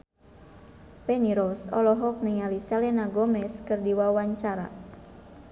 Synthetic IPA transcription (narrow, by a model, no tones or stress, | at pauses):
pɛniɾɔsɔlɔɦɔk̚nəŋalisɛlɛnaɡɔmɛskɨrdiwawaɲt͡ʃaɾa̰